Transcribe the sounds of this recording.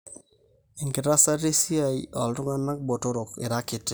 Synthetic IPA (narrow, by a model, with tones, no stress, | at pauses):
ɪ˨ŋkɪ˨ɾa˦sa˦ɾi˦si˦a˨jɔ˨ldʊ˦ŋa˦na˦k̚bo˨to˦ɾo˨kɪ˨ɾa˦kɪ˨te˨